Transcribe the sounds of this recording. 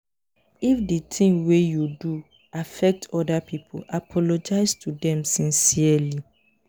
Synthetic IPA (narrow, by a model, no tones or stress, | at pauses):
ifditʰĩŋwejudu | afɛk̚tʰɔdapʰipʰo̰ʔapʰɔlod͡ʒaɪstʰudɛ̃msĩnsiəli